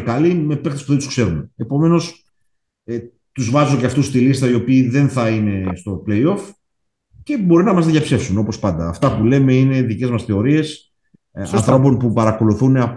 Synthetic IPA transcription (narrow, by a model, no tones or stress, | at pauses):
kɐlime̞pekt̪espuðed̪uskse̞ɾuneepo̞me̞no̞s | e | t̪uzvɐzoceɐft̪ust̪ilist̪ɐio̞piːðe̞nθɐine̞st̪o̞ple̞io̞f | ce̞bo̞ɾinɐmɐzðʝɐpse̞fsuno̞po̞spɐnd̪ɐːft̪ɐpule̞me̞ine̞ðice̞zmɐsθe̞o̞ɾie̞s | ɐ̰nθɾo̞p̬o̞npupɐɾɐko̞luθuneɐ